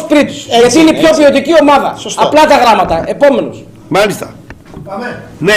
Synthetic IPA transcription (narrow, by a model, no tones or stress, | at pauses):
spɾit̪u̥sʝɐt̪iineipçopiot̪icio̞mɐðɐssɐplɐt̪ɐɣɾɐmɐt̪ɐʔe̞po̞me̞nus | mɐlist̪ɐ | ne